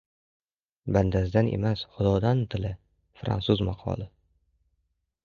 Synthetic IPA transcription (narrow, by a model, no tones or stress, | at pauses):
band̪azɪd̪anʔḛmasχʊd̪ɒd̪ant̪ʰɪlɪ | fɾa̰nsʊzmɑqʰɒ̰lˠɪ